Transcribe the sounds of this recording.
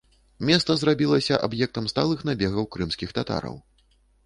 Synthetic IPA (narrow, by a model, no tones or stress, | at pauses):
mʲɛst̪sɐzrabʲilˠɐsʲɐʔabjɛk̚t̪ɐmst̪alˠɨxnabʲɛɣɐwkɾɨmsʲkʲixt̪at̪a̰ɾɐ̰w